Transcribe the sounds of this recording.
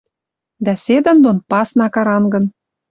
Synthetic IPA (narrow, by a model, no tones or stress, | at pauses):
d̪æsʲed̪ə̆nd̪onpɑsnɑkɑɾɑnɡɤ̆n